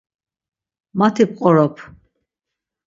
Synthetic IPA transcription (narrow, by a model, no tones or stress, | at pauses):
mat̪ʰip̚ʰqʼɔɾɔpʰ